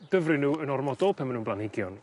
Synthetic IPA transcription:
d̥əvrɪnuːənɔrmɔdɔlˠpʰamanuːnblanhɪɡjɔn

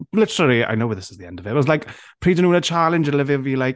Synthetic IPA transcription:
lɪtəɹəlˠia̰ɪnoʊwəðɪsɪzðiɛ̃ndəvɪɔzlaɪk | pʰɹ̥iːdə̃nũːnət͡ʃʰalˠɪ̃nd͡ʒəlɪvɪvilaɪk

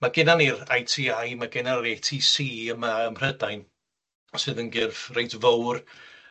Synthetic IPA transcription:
maɡɪnanirajtʰiːajmaɡɪnaɾetʰisiːəmaəmr̥ədajn | ɔsɨːðənɡɪrfrejtʰvowr

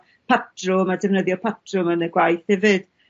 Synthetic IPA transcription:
pʰatʰrʊmadɛvnəðjɔpʰatʰrʊmənəɡwajθhɛvɪd̥

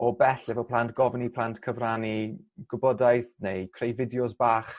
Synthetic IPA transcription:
ɔbɛɬɛvɔpʰl̥ˠantɡ̥ɔvnipʰl̥ˠantkʰəvraniɡ̥ʊbɔdajθnejkʰrejvɪdjɔsbaːχ

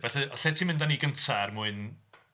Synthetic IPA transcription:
vɛɬɨɔɬɛtʰimɪ̃ndaniːɡəntʰarmuːɨn

